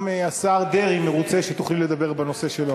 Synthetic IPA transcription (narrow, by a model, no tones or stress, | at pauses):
measaʁd̪eʁimeʁut͡se̞ʃet̪uχliled̪abe̞ʁbano̞se̞ʃelo